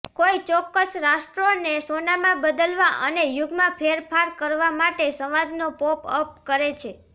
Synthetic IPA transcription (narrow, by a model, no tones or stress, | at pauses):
koit͡ʃɔkːəsɾaʃʈɾonesonamãbəd̪əlʋaʔənejuɡmãpʰeɾpʰaɾkəɾʋamaʈesəʋad̪nopopəp̚kəɾet͡ʃʰe